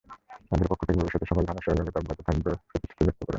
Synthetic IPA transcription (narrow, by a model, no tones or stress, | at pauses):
ad̪eɾpokʰːot̪ʰekebobiʃɔt̪eʃɔkold̪ʱanaʃɔɾɲoɡeb̪aɾbait̪ot̪ʰakbepɾot̪i̥ʃt̪ʰi̥t̪ʰibɛk̚t̪okɔɾḛn